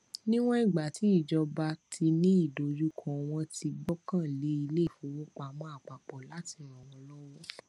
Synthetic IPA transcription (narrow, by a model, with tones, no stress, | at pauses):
nĩ˦w̃ɔ̃˦i˦˨ɡ͡ba˨ti˨˦i˦˨d͡ʒɔ˧ba˧tʰi˧nĩ˦i˦˨do˨d͡ʒu˦kʰɔ̃˦˨w̃ɔ̃˧tʰi˧ɡ͡bɔ˦kã˦˨le˨˦i˧le˦i˦˨fo˨˦wo˦k͡pa˧mɔ̃˦a˦˨k͡pa˨k͡pɔ˨la˨˦ti˧˨ɾ̃ɔ̃˨w̃ɔ̃˧lɔ˦wɔ˦